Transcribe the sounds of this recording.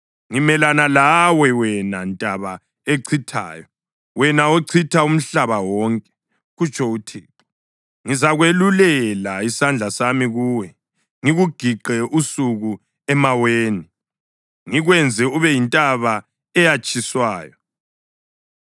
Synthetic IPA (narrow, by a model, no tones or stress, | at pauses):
ŋimɛlanalawɛwɛnantʼaβa | eǀʰitʰa̰ːjɔ | wɛnaoǀʰitʰaum̩ɬaβawɔŋkʼɛ̥ | ɣut͡ʃʰʼɔutʰeːǁu | ŋizaɣwelulɛlaisand͡ɮʱasamiɣuːwɛ | ŋiɣuɡ̥ʱiɡ͡ǃʱɛʔusuɣu | ɛmaweːni | ŋiɣwɛnd͡zʱɛuβɛjintʼaβa | ɛjat͡ʃʼiswaːjɔ